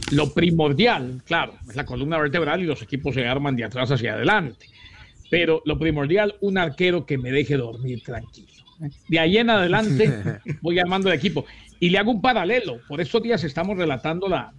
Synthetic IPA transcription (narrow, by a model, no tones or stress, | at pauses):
lo̞pɾimo̞ɾðjalklaɾo̞ezlakolumnaβe̞ɾt̪e̞βɾalilo̞se̞kipo̞s̬eaɾmand̪eat̪ɾas̬as̬ja̰ð̞e̞̰lant̪e̥pe̞ɾo̞lo̞pɾimo̞ɾðjalunaɾke̞ɾo̞ke̞me̞ðe̞xe̞ðo̞ɾmiɾt̪ɾaŋkiloed̪eajie̞naðe̞lant̪e̞bo̞jaɾmand̪ole̞k̬ipo̞ileaɣoumpaɾale̞lo̞po̞ɾe̞st̪o̞zðias̬e̞st̪amo̞sre̞lat̪and̪o̞la